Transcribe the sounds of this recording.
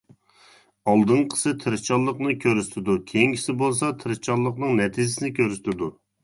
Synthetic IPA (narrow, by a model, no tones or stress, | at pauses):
ɑlˠd̪ɨnqʰə̥sɨt̪ʰɨɾɪt͡ʃʰɑlˠːəqnɨkʲʰøɾyst̪ʰɪd̪ukʲʰejiŋkʲʰi̥sɪbolˠsɑt̪ʰɪɾɪt͡ʃʰɑlˠːəqnɨŋnɛt̪ʰizɪsɪnɪkʲʰøɾyst̪ʰɪd̪u